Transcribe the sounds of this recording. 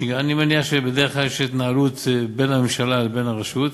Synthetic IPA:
animeniaχʃebed̪eʁeχklaljeʃit̪naalut̪be̞namemʃalalbe̞naʁaʃut̪

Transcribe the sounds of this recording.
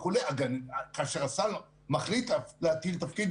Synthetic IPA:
ulejaɡanakaʃeʁasal | maχlit̪aleat̪ilt̪afkid̪

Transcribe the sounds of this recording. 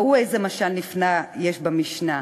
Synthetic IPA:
uejzemaʃalnifnajeʃbamiʃna

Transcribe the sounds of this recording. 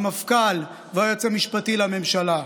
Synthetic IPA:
mafkal | vojot͡semiʃpat̪ilamemʃala

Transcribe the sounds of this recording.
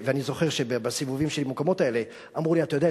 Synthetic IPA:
veanizo̞χe̞ʁʃebebasivuvimʃelimokamo̞tae̞le̞ | amʁuliatajodea

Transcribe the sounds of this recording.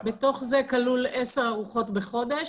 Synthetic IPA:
beto̞χze̞kaluleseʁaʁuχo̞tbe̞χo̞d̪e̞ʃ

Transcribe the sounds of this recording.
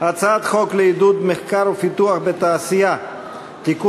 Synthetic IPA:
at͡sad̪χokleid̪ud̪meχkaɾofit̪uaχbet̪aːsija | t̪iku

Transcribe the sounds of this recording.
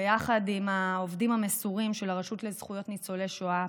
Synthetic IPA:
ejaχadimaovdimhamesuʁimʃelaʁaʃutlezχujo̞tnit͡soleʃoa

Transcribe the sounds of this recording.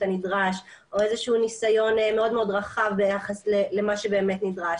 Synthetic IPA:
anidʁaʃ | ʔo̞ezeʃuːnisajo̞nme̞o̞dmeo̞dʁaχavbejaχaslelemaʃebe̞ːmetnidʁaʃ

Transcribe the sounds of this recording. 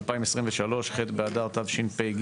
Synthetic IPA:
lpaimesʁimveʃalo̞ʃχetbeadaʁt̪avʃinpeɡ

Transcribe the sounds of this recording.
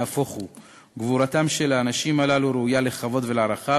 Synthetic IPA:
afoχu | ɡvuɾatamʃe̞laːnaʃimalaluɾeujale̞χavo̞dve̞laɾaχa

